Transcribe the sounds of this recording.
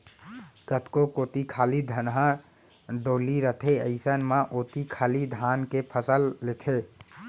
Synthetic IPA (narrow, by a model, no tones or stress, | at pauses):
ɡət̪kokoːt̪ikʰaːlid̪ʱənɦã | ɖoːliɾət̪ʰeə̰ɪsənmaʔoːt̪ikʰaːlid̪ʱankepʰəsəlːet̪ʰe